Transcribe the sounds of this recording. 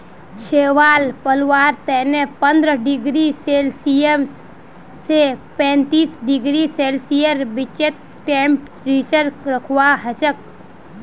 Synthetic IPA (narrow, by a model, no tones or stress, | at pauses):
ʃeʋaːlpəlʋaːɾt̪ɛːnepənd̪ɾəɖɪɡɾiselsijem | sepɛ̃ːnt̪iːsɖɪɡɾiseːlsijəɾbɪt͡ʃet̪̚ | ʈẽːmp | ɾiːt͡ʃəɾɾəkʰaɦət͡ʃək̚